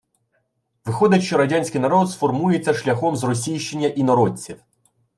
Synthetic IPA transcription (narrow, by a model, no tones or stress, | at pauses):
ʋɪxɔd̪ʲɐtʲʃt͡ʃɔɾɐdʲanʲsʲkɪjnɐɾɔd̪sfɔrmujet͡sʲːɐʃlʲɐxɔmzrɔs̬ʲijʃt͡ʃenʲːɐʔinɔɾɔt͡sʲiw